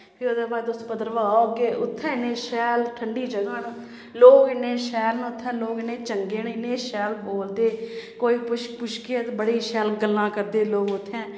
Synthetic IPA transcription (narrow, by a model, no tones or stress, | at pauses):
pʰiːoːd̪eːbaːd̪ʊspəd̪əɾʋaːoːkeːʔʊt̪ʰːɛ̃ːɪnẽːʃɛːlʈʰəɳɖiːd͡ʒəɡãːnũː | loːɡɪneːʃɛːlñːʊt̪ʰːɛ̃ːloːɡɪnẽːt͡ʃəŋɡeːnːɪneːʃɛːlboːld̪eːkoːiːpʃpʊʃkit̪bəɽiːʃɛːlɡəlːãːkəɾd̪eːloːɡʊt̪ʰːɛ̃ː